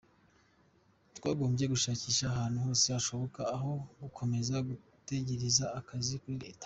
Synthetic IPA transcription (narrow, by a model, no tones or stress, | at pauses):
twaːɡo̞ːmbje̞ɡuʃaːciːʃaːɦaːnhuho̞ːseaʃo̞βo̞kaːɦo̞ɡukʰo̞me̞zaɡu | te̞ɟe̞ɾizaːkazikuɾiɾḛːtḁ